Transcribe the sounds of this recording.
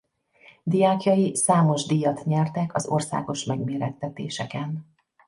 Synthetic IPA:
d̪ijaːkjɒjisaːmo̞ʒd̪ijɒt̪ɲɛrt̪ɛkɒzo̞̰rsa̰ːɡo̞ʃmɛɡmeːɾɛt̪ːɛt̪eːʃɛkɛn

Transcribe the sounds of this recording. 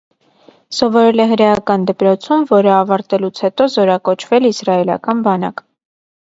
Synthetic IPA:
sɔvɔɾɛlɛɦəɾɛjɑkɑnd̪əpɾɔt͡sʰumvɔɾəɑvɑɾt̪ɛlut͡sʰhɛt̪ɔzɔɾɑkɔt͡ʃʰvɛlisrɑɛlɑ̰kɑnbɑnɑ̰k

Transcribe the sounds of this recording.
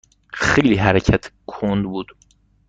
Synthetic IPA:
xejliːɦæɾecʰæt̪ʰkʰond̪buːd̪̥

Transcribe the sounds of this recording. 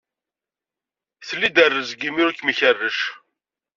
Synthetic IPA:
θəlːid̪ərːəzɡimʊɾkməçərːəʃ

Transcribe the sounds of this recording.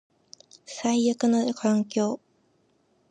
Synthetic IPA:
saijakɯ̟nokʰãŋkʲo̞ː

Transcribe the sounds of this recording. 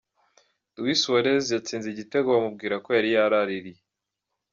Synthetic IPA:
dwiswoɾezjat͡siːnziɟite̞ɡoβamub̚ɡiːɾakojaɾijaɾaɾiɾije

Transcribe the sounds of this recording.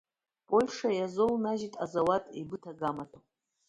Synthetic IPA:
pʼo̞lʲʂajazownaʒitʼazawatʼḛbɨtʰaɡamatʰo

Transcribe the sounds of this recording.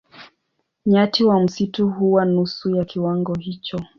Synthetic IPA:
ɲatiwam̩situɦuwanusujakʰiwaŋɡɔhit͡ʃɔ

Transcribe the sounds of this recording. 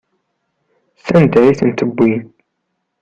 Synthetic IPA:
st̪ænd̪æjθənt̪əbːin

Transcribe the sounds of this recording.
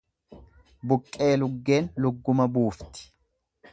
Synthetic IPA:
bʊkʼːe̞ːlʊɡːe̞ːnlʊɡːʊmɐbuːft̪ɪ̥

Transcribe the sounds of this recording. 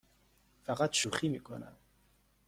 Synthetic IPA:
faʁat̪ʃuχimikʰʼɔ̰na̰

